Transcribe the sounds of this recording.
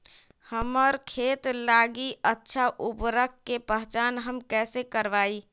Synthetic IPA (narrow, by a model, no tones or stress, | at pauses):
həmɔɾkʰeːt̪laːɡiətːʃʰaʔupɾəkkːepəɦt͡ʃaːnɦəmkɛːsekəɾʋaːi